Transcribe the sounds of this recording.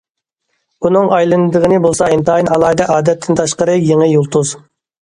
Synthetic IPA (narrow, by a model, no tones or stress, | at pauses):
unɨŋɑjlˠɨnd̪ɨʁənɨbolˠsɑint̪ʰɑːinɑlˠɑːd̪ɛʔɑːd̪ɛt̪ʰːɪnt̪ʰɑʃqəɾɨjeŋɪjulˠt̪ʰuz